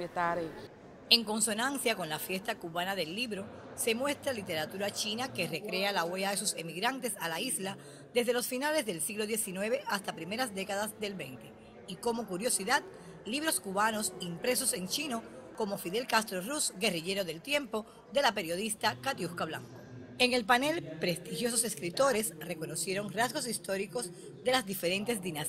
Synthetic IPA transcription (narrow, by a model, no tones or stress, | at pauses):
et̪aɾe | e̞ŋko̞nso̞nãnsjako̞nlafje̞st̪akuβanaðe̞lːiβɾo̞ | se̞mwe̞st̪ɾalit̪e̞ɾat̪uɾat͡ʃinake̞re̞kɾe̞alaweaðe̞suse̞miɣɾant̪e̞salaisla | d̪e̞zðe̞lo̞sfinale̞sðelsiɣlo̞ðje̞sinwe̞βe̞ʔast̪apɾime̞ɾasd̪e̞kaðasd̪e̞lβe̞̰nt̪e̞ | iko̞mo̞kuɾjo̞siðat̪̚ | liβ̞ɾo̞skuβano̞simpɾe̞s̬o̞se̞nt͡ʃino̞ko̞mo̞fiðe̞lkast̪ɾorusɡe̞riʝe̞ɾo̞ðe̞lt̪je̞mpo̞ | ðe̞lape̞ɾjo̞ðist̪akat̪juskaβla̰ŋko̥ | e̞ŋe̞lpane̞lpɾe̞st̪ixjo̞s̬o̞seskɾit̪o̞ɾe̞sre̞ko̞no̞sje̞ɾo̞ŋrazɣo̞s̬ist̪o̞ɾiko̞z | ðe̞lazðife̞ɾe̞nt̪e̞zðinas